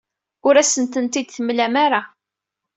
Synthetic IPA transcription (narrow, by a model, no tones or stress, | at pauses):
ʊɾæsənt̪ənt̪id̪θəmlæmaɾa